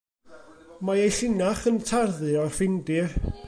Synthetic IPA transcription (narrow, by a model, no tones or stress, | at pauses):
maejɬɪnaχəntʰarðɨɔrfɪndɪr